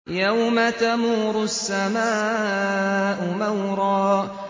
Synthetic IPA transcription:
jawmat̪amuːɾʊsːamaː | ʔʊmawɾɑː

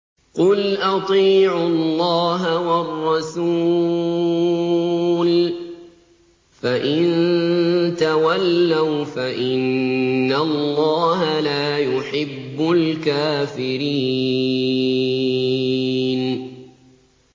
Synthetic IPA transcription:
qʊlʔɑt̪ˤiːʕʊlːɑːɦawɑrːɑsuː | l | faʔɪn | t̪awalːawfaʔɪnːallːɑːɦalaːjʊħɪbːʊlkaːfɪɾiː | n

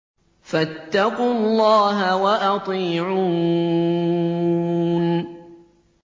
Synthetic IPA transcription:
fat̪ːɑqʊlˤːɑːɦawaʔɑt̪ˤiːʕuː | n

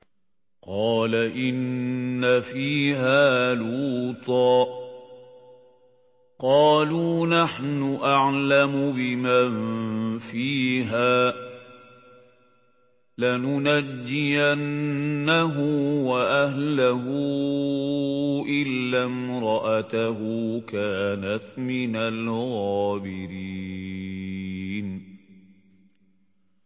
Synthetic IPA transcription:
qɑːlaʔɪnːafiːɦaːluːt̪ˤɑː | qɑːluːnaħnʊʔaʕlamʊbɪmanfiːɦaː | lanʊnad͡ʒːɪjanːaɦʊwaʔahlaɦʊ | ʔɪlːamɾˤɑʔat̪aɦuːkaːnat̪mɪnalɣɑːbɪɾiː | n

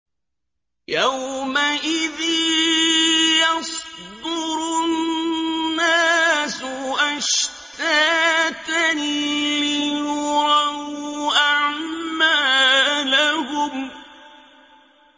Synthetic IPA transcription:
jawmaʔɪðiː | jɑsˤd̪ʊɾʊnnːaːsʊʔaʃt̪aːt̪anilɪjjʊɾˤɑuʔaʕmaːlahʊm

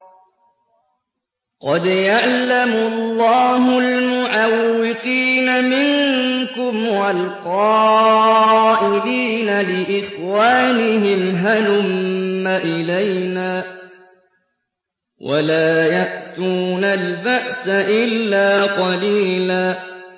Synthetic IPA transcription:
qɑd̪jaʕlamʊlːɑːɦʊlmʊʕawːɪqiːnamɪŋkʊmwalqɑː | ʔɪliːnalɪʔɪxwaːnɪɦɪmɦanʊmmːaʔɪlajnaː | wʔa̰laːjaʔt̪uːnalbaʔsaʔɪlːaːqɑliːlaː

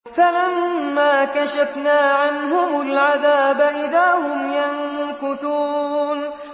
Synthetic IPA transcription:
falamːaːkaʃafnaːʕanɦʊmʊlʕaðaːbʔɪðaːhʊmjaŋkʊθuːn

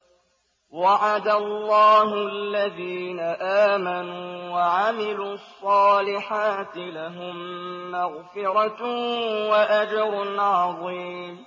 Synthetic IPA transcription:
waʕad̪alːɑːɦʊalːaðiːnaʔaːmanuːwaʕamɪluːɑsˤːɑːlɪħaːt̪ɪlaɦʊmːaɣfɪɾˤɑ | waʔad͡ʒɑɾˤʊnʕɑðˤiːm

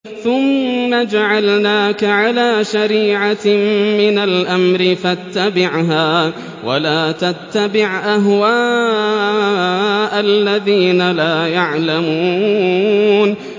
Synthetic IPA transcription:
θʊmːad͡ʒaʕalnaːkaʕalaːʃaɾiːʕamɪnalʔamɾɪfat̪ːabɪʕɦaː | wa̰laːt̪at̪ːabɪʕʔaɦwaː | ʔalːaðiːnalaːjaʕlamuː | n

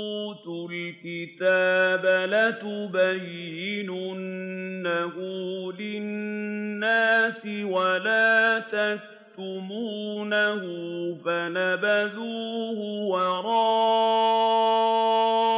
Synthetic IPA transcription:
uːt̪ʊlkɪt̪aːbalat̪ʊbajːɪnʊnːahʊlɪnː | aːsɪwalaːt̪ak | t̪ʊmuːnahʊfanabaðuːhʊwɑɾˤɑː

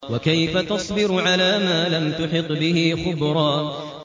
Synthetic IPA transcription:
wakajfat̪ɑsˤbɪɾʕalaːmaːlamt̪ʊħɪt̪ˤːbɪhiːxʊbɾˤɑː

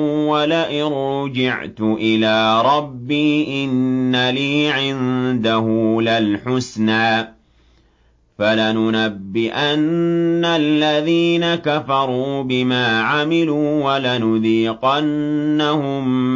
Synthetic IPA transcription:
walaʔɪɾd͡ʒɪʕt̪ʊʔɪlaːɾˤɑbːiːʔɪnːaliːʕɪnd̪aɦʊlalħʊsnaː | falanʊnabːɪʔanːalːaðiːnakafɑɾˤuːbɪmaːʕamɪluːwalanʊðiːqanː | ahʊm

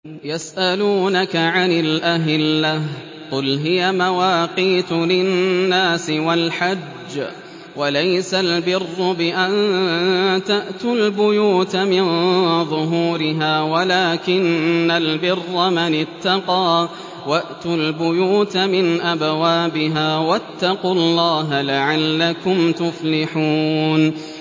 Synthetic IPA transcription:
jasʔaluːnakaʕanɪlʔaɦɪlːah | qʊlɦɪjamawaːqiːt̪ʊlɪːaːsɪwalħad͡ʒː | walajsalbɪrːʊbɪʔan | t̪aʔt̪ʊlbʊjuːt̪mɪnðˤʊɦuːɾɪɦaːwalaːkɪnːalbɪrːamanɪt̪ːɑqɑː | waʔt̪ʊlbʊjuːt̪mɪnʔabwaːbɪɦaːwat̪ːɑqʊlːɑːɦalaʕalːakʊmt̪ʊflɪħuːn

